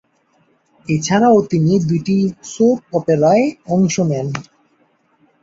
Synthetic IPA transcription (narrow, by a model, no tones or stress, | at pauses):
et͡ɕʰaɾaot̪inid̪ujʈisop̚ɔpeɾaeɔŋʃonɛn